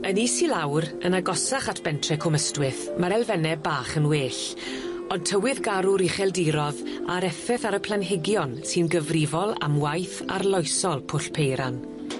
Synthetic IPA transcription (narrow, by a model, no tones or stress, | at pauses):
ənisilawɾənaɡɔsaχatʰb̥ɛntʰrɛkʰʊməstwɪθmaɾɛlˠvɛnɛbaːχənweːɬ | ɔd̚tʰəwɪðɡaɾʊɾiχɛlˠdiɾɔðaɾɛfɛθaɾəpʰlˠanɦɪɡjɔnsɨnɡəvrɪvɔlˠa̰mwajθa̰rlˠɔjsɔlˠpʰʊɬpʰejɾan